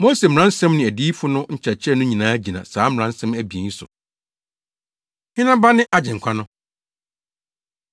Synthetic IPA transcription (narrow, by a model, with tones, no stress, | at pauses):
mo˦se˨m̩˨ɾã˦n̩˦sɛ̃˦mnɪ̃˨æ˨diː˦fʊ˦nʊ̃˦ɲ̩˦t͡ɕʰa˨t͡ɕʰɛ˦˨nʊ̃˦ɲĩ˨nãː˨˦æ˦d͡ʑi˨nã̰˨saː˨˦m˨ɾã˨n̩˦sɛ̃˦mæ˨bi˨e˨˦sʊ̰˨ | hɪ̃˦nã˦ba˦nɪ̃˦ʔa˦d͡ʑɪ̃˨ŋ̩˨kʷʰa˦nʊ̃˦